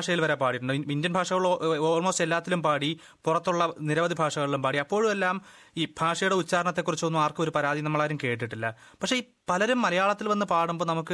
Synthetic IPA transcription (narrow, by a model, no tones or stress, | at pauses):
ʂɐjilʋɐɾepaːɽiʈːuɳɖɨindjɐnbʱaːʂɐɣɐɭoːɭmoːselːaːt̪ːilumpaːɽi | purɐt̪ːuɭːɐniɾɐʋɐd̪ibʱaːʂɐɣɐɭilumpaːɽiɐpːo̞ːɻume̞lːaːm | iːbʱaːʂɐjuɽe̞ut͡ɕːaːɾɐɳɐt̪ːe̞kːurit͡ɕːuonːumaːrkɨo̞ɾupɐɾaːd̪ðinɐmːɐɭaːɾumke̞ːʈ̬ːiʈːilːɐ | pɐkʂe̞iː | pɐlɐɾumːɐlɐjaːɭɐt̪ːilʋɐnːɨpaːɽumboːnɐmukːɨ